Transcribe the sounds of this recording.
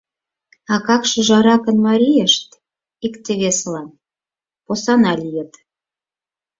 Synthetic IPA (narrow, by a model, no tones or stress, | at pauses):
ɑkɑkʃɤ̆ʒɑɾɑkə̆nmɑɾʲijeʃt̪ | ikt̪eβeslɑn | posɑnɑlʲijə̆t̪